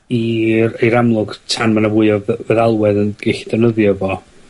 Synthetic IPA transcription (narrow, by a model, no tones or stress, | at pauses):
irejɾamlˠʊɡtʰanmanavʊɨɔvvɛðalˠwɛðənɡ̥ɛɬi̥dɛnəðjɔvɔ